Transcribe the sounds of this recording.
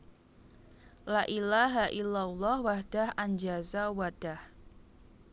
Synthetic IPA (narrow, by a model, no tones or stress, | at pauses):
laʔilaɦaʔilːalːɔhwahd̥ahʔaɲd͡ʒazawad̥ah